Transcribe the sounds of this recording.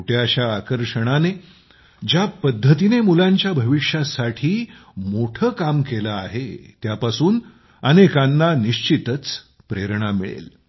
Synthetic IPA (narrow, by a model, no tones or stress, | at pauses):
uʈjaɕjaːkəɾʂəɽ̃ane | d͡ʑjapəd̪ʱːət̪inemulaɲt͡ɕjabʱəʋiʂjasaʈʰiːmoʈʰəːkamkeləa̰ɦet̪japasuːn | ənekanːaniɕt͡ɕit̪ət͡s | pɾeɾɳ̃amiɭḛl